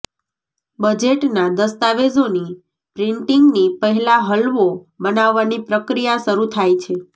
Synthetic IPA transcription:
bəd͡ʒeʈnad̪əst̪aʋezoni | pɾɪɳʈiŋɡnipəɦɛlaɦəlʋo | bənaʋːanipɾəkɾijaʃəɾut̪ʰajt͡ʃʰe

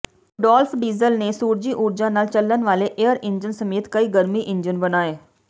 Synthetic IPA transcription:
ɖɔːlfʰɖiːzəlneːsuːɾd͡ʒiːʔʊːɾd͡ʒãːnaːlt͡ʃələnʋaːleʔejəɾɪɲd͡ʒənsəmeːt̪kəiːɡəɾmiːʔɪ̃nd͡ʒənbənaːeː

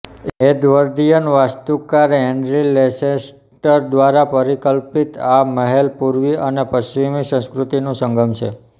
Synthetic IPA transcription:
ed̪ʋəɾd̪ijənʋast̪ukaɾɦeɳɖɾileses | ʈəɾd̪ʋaɾapəɾikəlpit̪aməɦelpuɾʋiənepəsʋimisə̃skɾut̪inũsə̃ŋɡəmʃʰe

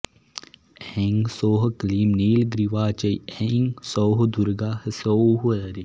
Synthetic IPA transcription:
eŋɡsoːɦkɐliːmniːlɡɾiʋaːt͡ʃɐjeŋɡsoːɦd̪uɾɡaːhəsoɦuəɾi

